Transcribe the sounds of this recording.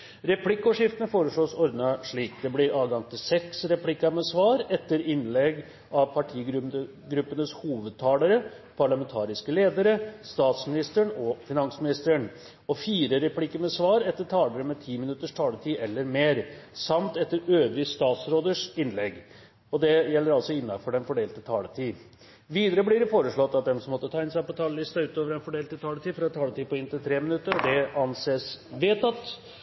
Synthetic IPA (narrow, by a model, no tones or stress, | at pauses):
ɾɛpʰlɪkːɔʂɪft̪ənəfoːɾəʂɭoːsɔɾd̪nɑʂɭiːkd̪ɛblɪɾɑːʋɡɑŋt̪ʰɪlsɛksɾɛpʰlɪkːɑmɛsʋɑːɾɛt̪ːəɾɪnlɛɡ | ɑʋpʰɑʈʰiː | ɡɾʉpːənəshuːʋəd̪̚t̪ʰɑːləɾə | pʰɑɭɑmɛnt̪ʰɑːɾɪskəleːd̪əɾəst̪ɑːt̪smɪnɪst̪əɳɔfɪnɑnsmɪnɪst̪əɳ | ɔfiːɾəɾɛpʰlɪkːəmɛsʋɑːɾɛt̪ːəʈ̪ʰɑːləɾəmɛt̪ʰiːmɪnʉt̪ːəʂʈʰɑːləʈ̪ʰiːʔɛlːəɾmeːɾsɑmt̪ɛt̪ːəɾøːʋɾɪst̪ɑːt̪sɾoːd̪əʂɪnlɛɡ | ɔd̪ɛjɛlːəɾɑlsɔɪnːɑfɔɖɛnfɔɖeːlt̪ət̪ʰɑːlət̪ʰiː | ʋiːd̪əɾəblɪɾɪfoːɾəʂɭɔt̪ːɑt̪̚d̪ɛmsɔmɔt̪ːət̪ʰɑːɪnsɑpɔt̪ʰɑːləlɪst̪ɑʉːt̪oːʋəɾɛnfɔɖeːlt̪ət̪ʰɑːlət̪ʰiːfɔɾɑɛt̪ʰɑːlət̪iːpɔɪnt̪ɪlt̪ʰɾeːmɪnʉt̪ːəɾɔd̪ɛɑnseːsʋeːt̪ɑt̪ː